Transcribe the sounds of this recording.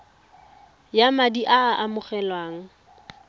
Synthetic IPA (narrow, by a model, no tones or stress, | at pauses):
jamadiʔaʔamʊχɛlwaːŋ̩